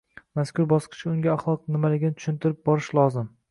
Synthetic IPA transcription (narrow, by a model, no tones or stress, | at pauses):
maskʰʲʊɾbɒsqʰɨ̥t͡ʃʰɪʊŋɡʲaːχlˠɒq̚nɪmalɪɡʲɪnɪt̪ʰʊ̥ʃʊnt̪ʰɪɾɪp̚bɒɾɪʃlˠɒzɪm